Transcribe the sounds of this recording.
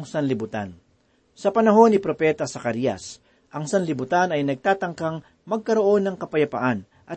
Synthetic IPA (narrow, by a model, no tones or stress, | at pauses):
ŋsɐnlɪbʊt̪a̰n | sɐpɐnɐɦo̞nːɪpɾo̞pɛt̪ɐsɐkɐɾijɐ̰s | ʔɐŋsɐnlɪbʊt̪anɐjnɐɡ̚t̪aːt̪ɐŋkaŋ | mɐɡ̚kɐɾo̞ʔo̞nːɐŋkɐpɐjɐpa̰ʔan | ʔɐ